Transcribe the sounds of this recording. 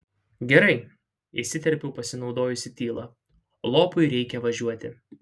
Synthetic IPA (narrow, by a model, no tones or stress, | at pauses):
ɡʲɛɾɐɪ | ɪʃsʲɪt̪ʲɛɾʲpʲɛʊpɐsʲɪnɒʊd̪oːjʊsʲɪt̪ʲiːlˠɐ | lˠoːpʊɪɾʲɛɪkʲɛʋɐʒʲuɔt̪ʲɪ